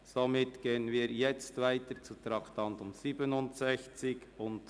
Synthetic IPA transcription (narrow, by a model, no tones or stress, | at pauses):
somɪtɡ̥eːənviːɾjɛt͡stvaɪtət͡sutɾɑktʰɑntʊmz̥iːbənʊntsɛçt͡sɪɡʊnt